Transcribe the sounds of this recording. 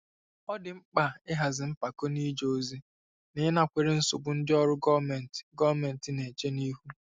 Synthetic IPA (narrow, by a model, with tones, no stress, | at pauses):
ɔ˦dɪ˨ŋ͡m̩˦k͡pa˨ɪ˦ɦa˨zɪ˨m̩˦pa˨ko˦ni˦d͡ʒo˨zi˦ | ne˨˦na˨kʷe˨ɾe˦n̩˦sʊ˨ɡ͡bʊ˨n̩˦dɪ˦ɔ˦ɾʊ˦ɡɔ˦me˨n˨tɡɔ˦˨me˨n̩˨tɪ˨ne˨t͡ʃe˦ni˦ɦu˦